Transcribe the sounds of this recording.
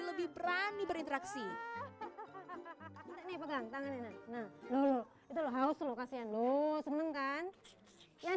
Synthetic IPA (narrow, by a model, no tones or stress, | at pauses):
ləbɪhbəɾanibəɾint̪əɾaksi | idaʔnɪhpəɡaŋt̪aŋanenahnahlolo | it̪uloɦaʊslokasianlosənəŋkan | ja